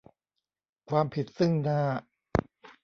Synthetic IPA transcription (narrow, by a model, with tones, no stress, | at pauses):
kʰwaː˧mpʰi˨˩t̪̚sɯ˥˩ŋnaː˥˩